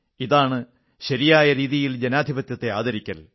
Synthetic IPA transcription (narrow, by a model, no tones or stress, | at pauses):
iðaːɳɨ | ɕɐɾijaːjɐɾiːðijild͡ʑenaːd̪ʱibɐt̪jɐt̪ːe̞aːðɐɾikʲːɐl